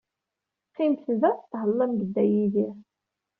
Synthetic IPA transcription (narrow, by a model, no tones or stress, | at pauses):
qːimθvæθɦəlˤːəmɡəd̪ːæjiðiɾ